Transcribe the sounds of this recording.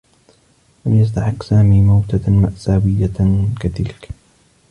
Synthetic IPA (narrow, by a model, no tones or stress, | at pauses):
lamjas̬t̪aħɪqːsaːmiːmawt̪amaʔsaːwɪjːakat̪ɪlk